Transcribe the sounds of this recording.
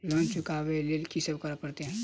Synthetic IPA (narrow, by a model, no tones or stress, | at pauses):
lɔ̃ːt͡ʃʊkawelelkisəbkəɾəpəɾt̪eɦɛ̃ː